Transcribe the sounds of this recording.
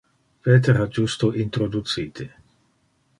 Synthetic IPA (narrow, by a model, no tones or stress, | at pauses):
peːt̪eɾad͡ʒust̪oʔint̪ɾod̪ut̪siːt̪ʰe